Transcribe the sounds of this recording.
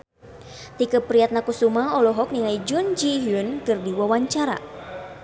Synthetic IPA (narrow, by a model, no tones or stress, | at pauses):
t̪ikəpɾiat̪̚nakusumaɔlɔɦɔk̚niŋaid͡ʒund͡ʒiɦiunkɨrdiwawaɲt͡ʃaɾa̰